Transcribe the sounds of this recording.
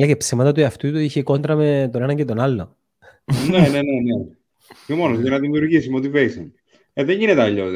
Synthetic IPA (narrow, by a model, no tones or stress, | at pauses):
lɐcepsimɐt̪ɐt̪uiɐft̪ut̪uiçeko̞nt̪ɾɐmet̪one̞nɐɲcet̪o̞nɐlːo | nenenene | omonost̪enɐðimiuɾʝis̬imot̪iveision | eðeɲʝinet̪eɐʎːo